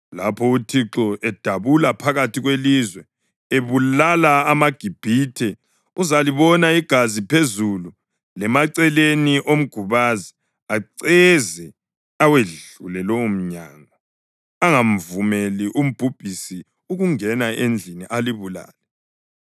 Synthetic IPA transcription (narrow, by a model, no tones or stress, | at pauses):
lapʰɔutʰiǁɔɛd̥ʱaβulapʰaɣatʰiɣwelizwɛ | eβulalaːmaɡ̥ʱib̥ʱitʰɛ | uzaliβɔnaiɡ̥ʱazipʰezulu | lɛmaǀɛleniʔom̩ɡ̥ʱuβazi | aǀɛzɛ | aweɮulɛloum̩ɲa̰ːŋɔ | aŋam̩vumeliʔum̩b̥ʱub̥ʱisi | uɣuŋɛnaend͡ɮʱiniʔaliβula̰ːlɛ